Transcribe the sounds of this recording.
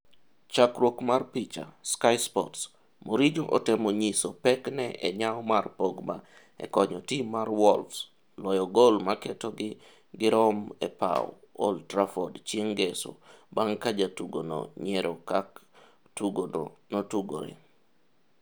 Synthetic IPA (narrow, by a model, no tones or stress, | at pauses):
t͡ʃakɾwokmarpit͡ʃa̰skajspɔts | moɾid͡ʒoʔɔtɛmoɲisopɛknɛʔɛ̰ɲaɔmarpoɡma | ɛ̰kɔɲɔtimarwɔlfs | lɔjɔɡolmakɛtoɡɪ | ɡɪɾɔmɛ̰pa̰wɔ̰ | o̰ltɾafɔdt͡ʃeŋɡɛso̰baŋkad͡ʒatuɡono̰ɲɛɾɔkak | tuɡo̰notuɡo̰ɾɛ̰